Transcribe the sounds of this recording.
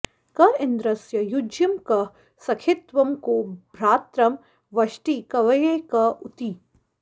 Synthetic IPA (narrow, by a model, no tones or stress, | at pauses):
kɐɪnd̪ɾɐsjɐjud͡ʒjɐmkɐ | sɐkʰɪt̪ʋɐmkobʱɾaːt̪ɾɐm | ʋɐʃʈikɐʋɐjekɐut̪iː